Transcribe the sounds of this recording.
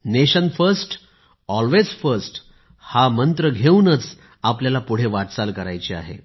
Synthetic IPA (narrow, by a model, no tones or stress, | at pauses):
neɕənfəɾsʈ | ɔlʋed͡zfəɾsʈ | hamənt̪ɾəɡʱeunət͡s | apljalapuɽ̤eʋaʈt͡salkəɾa̰jt͡ɕia̰ɦḛ